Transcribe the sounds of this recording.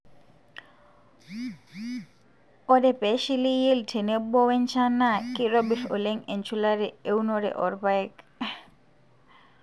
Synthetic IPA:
ɔɾepɛʃilijeltʰenebɔwent͡ʃʰanakiɾɔbiɾo̰leŋent͡ʃʰulaɾeewnɔɾḛʔɔ̰ɾpaek

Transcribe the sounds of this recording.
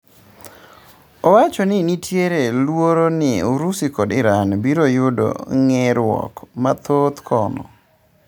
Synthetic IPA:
owat͡ʃonɪnitjeɾelwoɾonɪoɾusikodɪɾanbiɾojʊdo̰ŋeɾwɔ̰kmat̪ot̪kʰɔnɔ̰

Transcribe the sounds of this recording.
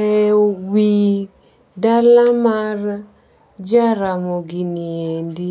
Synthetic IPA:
ɛwi | dalamar | d͡ʒaɾamoɡiniendi

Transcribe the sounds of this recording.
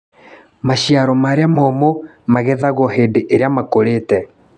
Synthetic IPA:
maʃiaɾɔmaɾeamɔmo | maɣɛðaɣɔheːndeʔeɾeamakoɾetɛ

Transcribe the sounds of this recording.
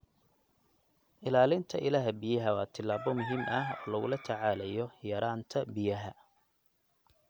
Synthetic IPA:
ʔɪlaːlɪnt̪ʰɐʔɪlaːɦbɪjɐɦɐwɑːt̪ʰɪlːaːβɔmʊɦiːmɐɦɔːlɐɣʊlɐt̪ʰɐʕaːlɛjɔjɐɾaːnt̪ʰɐbɪjɐɦɐ

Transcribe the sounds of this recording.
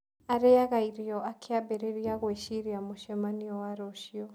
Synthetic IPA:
aɾeaɣaiɾiɔakʰeabeɾeɾiaɣweʃiɾiamoʃɛmaniɔwaɾoʃiɔ

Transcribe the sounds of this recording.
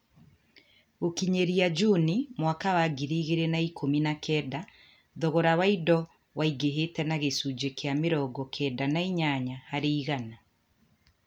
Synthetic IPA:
okiɲeɾiad͡ʒunimwakawaɡiɾiːɣeɾenaikʰominakʰɛːda | ðɔɣɔɾawaidɔ | waiɡeɦetɛnaɣesud͡ʒekeameɾɔɡɔkʰɛdanaiɲaɲahaɾeiɣana

